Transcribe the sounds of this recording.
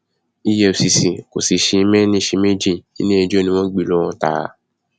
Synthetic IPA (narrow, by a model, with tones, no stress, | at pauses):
i˧jɛ˧o˨si˨sĩ˨ko̰˨si˨ʃi˧˦mɛ̃˦nĩ˧˦ʃi˧mẽ˦d͡ʒĩ˦˨ḭ˦nĩ˦e˧d͡ʒo˦˨nĩ˧w̃ɔ̃˦ɡ͡bi˦˨lɔ˦ɔ̃˧˦ta̰˧˦˧